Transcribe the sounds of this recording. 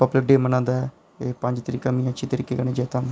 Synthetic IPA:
pəblɪk̚ɖeːmənãːnd̪aːɛ | eːpə̃ɲd͡ʒt̪əɾiːkaːmĩːãt͡ʃʰiːt̪əɾiːkeːɡəñẽːd͡ʒɛːt̪ãː

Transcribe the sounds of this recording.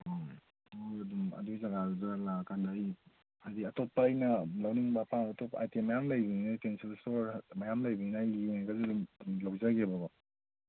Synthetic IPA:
o | oɐdumɐ̰duzaɡadalakʰandaj | adiɐtɔt̚paːjnɐlawniŋbapʰaŋɐtɔpa̰jtemajamlajbininatensilstoɾmajamlajbininajikazdumlawzaɡebaba

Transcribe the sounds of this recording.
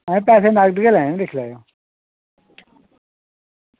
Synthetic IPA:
ɛ̃ːpɛːseːnaɡd̪ɡelɛ̃ːd̪ɪkʰlaːjoː

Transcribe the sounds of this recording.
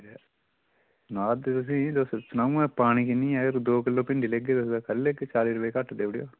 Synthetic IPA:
naːd̪t̪ʊs̬ĩːd̪ossnaːũːɛːpaːɽ̃iːkɪnĩːaːɾd̪oːkɪlːõːpɪɳɖiːleɡeːd̪osd̪akəlːeɡet͡ʃaːliːɾʊpəeːkəʈʰːd̪eːɽjo̰ː

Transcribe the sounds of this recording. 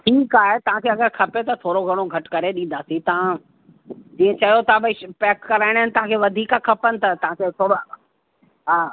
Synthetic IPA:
ʈʰiːkaːɦet̪ɐʋ̤ãkʰeːɐɡəɾkʰɐpjot̪ɐt̪ʰoːɾoɡʱɐɽ̃oɡʱɐʈkɐɾeɗĩn̆d̪aːsĩt̪ɐʋ̤ã | d͡ʑiːə̃t͡ɕɐjot̪ʰabɪpɛːkːɐɾaːɪɽ̃ɦɪnɪt̪ɐʋ̤ãkʰeːʋɐd̪ʱiːkakʰɐpənɪ̆t̪ɐt̪ɐʋ̤ãkʰet̪ʰoːɽo | ɦaː

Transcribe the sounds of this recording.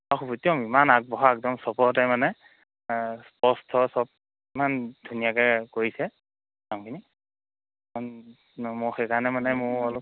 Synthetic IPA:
axubutijɔmimanak̚bɔɦɔɛk̚dɔmsɔpɔɹtɛmanɛ | spɔstʰɔsɔb̚ | imandʱunijakakoɹisɛ | amkʰini | an | mʊxɛkʰanɛmanɛmʊɹɔlɔ

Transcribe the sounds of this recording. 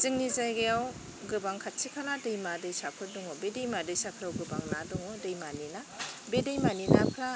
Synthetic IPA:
zɯŋnizajɡejaw | ɡɯbaŋkʰatsʰikʰanadɯjmadɯjsapʰɯɾduŋɔbedejmadɯjsakʰɾawɡɯbaŋnaduŋɔdɯjmanina | bedejmaninapʰɾa

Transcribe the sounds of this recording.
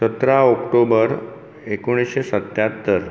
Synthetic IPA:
sət̪ɾaɔkʈobəɾ | ekoɽ̃isɕesət̪jat̪ːəɾ

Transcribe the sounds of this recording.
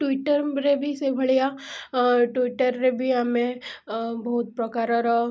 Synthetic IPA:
ʈwiʈəɾɾebʱisebʱɐɭija | ʈwɪʈəɾːebʱiamẽ | bɐɦʊt̪̚pɾɐkaːɾaɾ

